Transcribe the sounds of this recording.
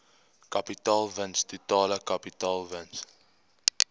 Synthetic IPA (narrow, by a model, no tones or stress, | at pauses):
kɐpitɑːlˠvənstutɑːləkɐpitɑːlˠvəns